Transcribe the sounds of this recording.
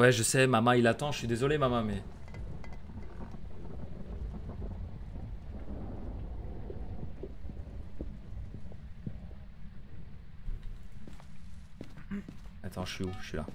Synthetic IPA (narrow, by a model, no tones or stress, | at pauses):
wɛʒəsɛmamãilat̪ɑ̃ʒəʃɥid̪ezɔlemamɑ̃mɛ | at̪ʰɑ̃ʒəʃɥiuʒsɥila̰